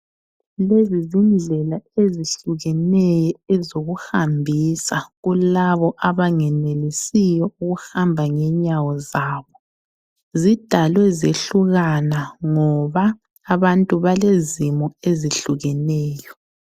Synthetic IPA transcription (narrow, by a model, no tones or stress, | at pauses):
lezizind͡ɮʱɛlaeziɬuɣɛnɛjɔɛzoɣuhambʱisaɣulaβɔʔaβaŋɛnelisijɔuɣuhambʱaŋɛɲawɔzaːβɔ | zid̥ʱalwɛzeɬuɣanaŋɔβaː | βantʼuβalezimɔeziɬuɣɛnɛːjɔ